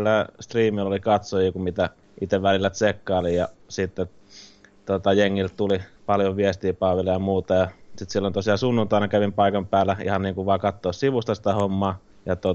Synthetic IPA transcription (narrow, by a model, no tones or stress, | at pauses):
lːæst̪riːmilːolikɑt̪sojjokummit̪æ | ʔit̪eʋʋælilːæt̪sekːɑˑːlijɑ̰sit̪ːe | t̪ot̪ɑjeŋːiltt̪ulipɑljoʋʋiest̪iːpɑˑːʋilːɑjɑmuːt̪ɑjɑsit̪silːont̪osiɑsunːunt̪ɑˑinɑkæʋimpɑˑikɑmpæːlːˑæḭhɑnniːŋkuʋʋɑːkɑt̪ːoːssiʋust̪ɑsi̥t̪æhomːɑː | jɑt̪o